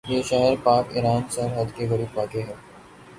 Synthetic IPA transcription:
jeːʃɛɦəɾpaːkɪ̰ɾaːnsɐɾɦəd̪keɣɐɾiːbʋaːkeɦɛː

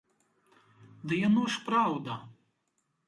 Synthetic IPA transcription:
d̪ɨjanɔʂpɾawd̪ɐ

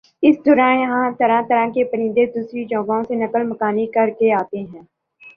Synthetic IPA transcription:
ɪsd̪ʊɾãːjəɦãt̪əɾãt̪əɾãːkepəɾɪ̃ːnd̪ed̪usɾid͡ʒɔ̃ːɡõsenɐkəlməkaːnikɐɾkeaːt̪eɦɛ̃ː

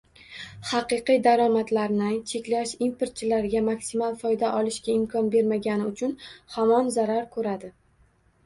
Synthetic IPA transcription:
χɑqɨqɨjd̪aɾɒmat̪laɾnɪt͡ʃʰe̞kʲlaʃimpʰeɾt̪̚t͡ʃʰɪlaɾɡʲamaksimalˠfɒjd̪aʔɒlˠɪʃɡʲaɪmkʰɒnbe̞ɾmaɡʲanɪʊt͡ʃʰʊnhɒmɒnzaɾaɾkʰɵɾad̪ɪ

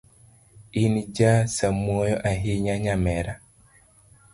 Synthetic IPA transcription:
inid͡ʒasamwojɔʔaɦiɲaɲamɛɾa

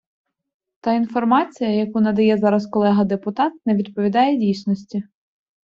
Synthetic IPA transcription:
t̪ɑinfɔrmɑt͡sʲijɐjɐkunɐd̪ɐjɛzɑɾɐskɔlˠɛɦɐd̪epʊt̪ɑt̪̚nɛʋʲid̪pɔʋʲid̪ɑjɛdʲijsʲnɔsʲtʲi

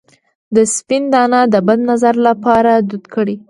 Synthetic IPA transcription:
d̪əspɪnd̪ɑnɑd̪əbad̪nazaɾlapɑɾad̪ud̪kəɽi

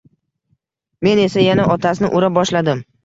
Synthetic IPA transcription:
me̞ne̞sajanaʔɒt̪ʰasnɪʔʊɾabɒʃlad̪ɪm

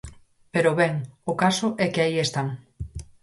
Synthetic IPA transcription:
peɾʊβɛŋʊkasʊʔɛkeaiest̪aŋ

